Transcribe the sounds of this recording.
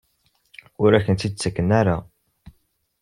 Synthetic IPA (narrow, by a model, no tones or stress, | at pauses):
ʊɾæçənt̪id̪̚t͡sːəkːənæɾa